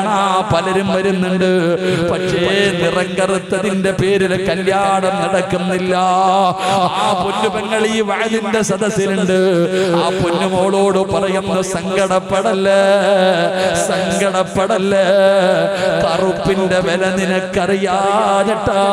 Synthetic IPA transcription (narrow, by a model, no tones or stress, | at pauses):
ɳaːpɐlɐɾumʋɐɾunːuɳɖɨpɐʈʂenirɐŋɡɐrut̪ːɐðinde̞pe̞ːɾilkɐljaːɽɐmnɐɽɐkːunːilːɐ | aːponːubɐŋːɐɭiːʋɐɻɐðinde̞sɐðɐsiluɳɖɨaːponːumoːɐɭo̞ːɽɨpɐrɐjunːɐsɐŋɡɐɽɐpːeɽɐlːe | sɐŋɡɐɽɐpːeɽɐlːe | k̪ɐrupːinde̞ʋelɐninɐkːɐrijaðɐʈːɐ